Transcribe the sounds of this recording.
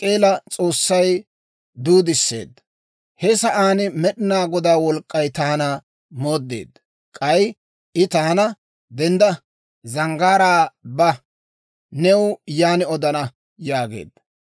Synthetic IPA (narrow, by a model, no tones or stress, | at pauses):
kʼeːlɐt͡sʼo̞ːsːɐj | d̪uːd̪ɪsːe̞̰ːd̪ɐ | hɛsɐʔaːnɪmɛɗɪnaːɡɔd̪aːwɔlkʼːɐjt̪aːnɐ | mo̞ːd̪ːḛːd̪ɐ | kʼɐj | ʔɪt̪aːnɐ | d̪ɛnd̪ɐ | zɐŋɡaːɾaːbɐ | nɛwjaːnɪɔd̪ɐnɐ | jaːɡḛːd̪ɐ